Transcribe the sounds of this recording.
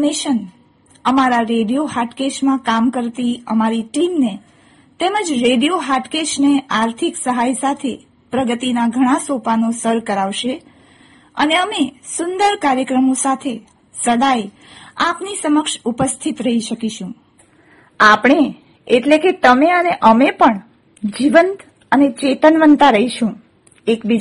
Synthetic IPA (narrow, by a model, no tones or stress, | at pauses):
neʃən | əmaɾaɾeɖijoɦaʈkeʃmãkamkəɾt̪iəmaɾiʈimne | t̪eməd͡ʒɾeɖijoɦaʈkeʃneaɾt̪ʰiksəɦajsat̪ʰe | pɾəɡət̪inaɡʱəɽ̃ãsopanosəɾkəɾaʋʃe | ə̰neəmesʊnd̪əɾkaɾjəkɾəmosat̪ʰe | səɽaj | apnisəməkʃupəst̪ʰit̪ɾəɦiʃəkiʃũ | apɳe | eʈleket̪əmeəneʔəmepəɳ | d͡ʒiʋənt̪ | ənet͡ʃet̪ənʋənt̪aɾəɦiʃũ | ekbid͡ʒ